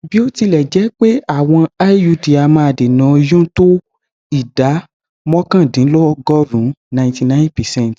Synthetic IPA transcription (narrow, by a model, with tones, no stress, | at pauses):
bi˨˦o˦ti˧lɛ˨d͡ʒɛ˨˦k͡pe˦a˦˨w̃ɔ̃˧a˦ju˧˦di˨a˨mã˧a˧˨de˨nã˨˦˧jũ˦to˦ | i˦˨da˨˦ | mɔ̃˦kã˦˨dĩ˨˦lɔ˦ɡɔ˦ɾũ˨˦nã˨j̃ti˨nã˦npɛ˨sɛ̃˦˨t